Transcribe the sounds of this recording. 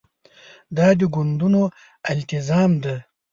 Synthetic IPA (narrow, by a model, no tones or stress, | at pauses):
d̪ɑd̪əɡʊnd̪uno | ɪlt̪ɪzɑːmd̪a